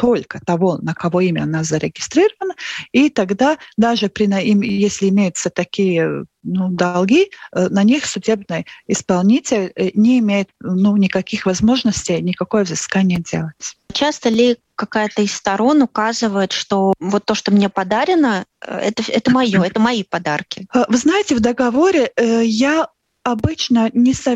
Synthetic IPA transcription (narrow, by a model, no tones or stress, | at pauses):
t̪o̞lʲkət̪ɐvonəkɐvo̞imʲəɐnazəɾʲɪɡʲɪst̪ɾʲiɾəvənəit̪ɐɡd̪ad̪aʐɨpɾʲɪnimjesʲlʲɪɪmʲejʊt̪sət̪ɐkʲijənud̪ɐlˠɡʲinɐnʲixsʲʊdʲe̞bnɨjəɪspɐlˠnʲitʲɪlʲnʲɪɪmʲejɪt̪nunʲɪkɐkʲixvɐzmo̞ʐnəsʲtʲɪjnʲɪkɐko̞jəvzɨskanʲɪjədʲḛlˠətʲt͡ɕast̪əlʲɪ | kɐkajət̪əɪst̪ɐɾo̞nʊkazɨvəjɪt̪ʂt̪ovot̪ːo̞ʂt̪omnʲepɐd̪aɾʲɪnəɛ̰t̪əɛt̪əmɐjoɛt̪əmɐipɐd̪arkʲɪvɨznajɪtʲɪvd̪əɡɐvo̞ɾʲɪəja | ɐbɨt͡ɕnənʲɪsɐ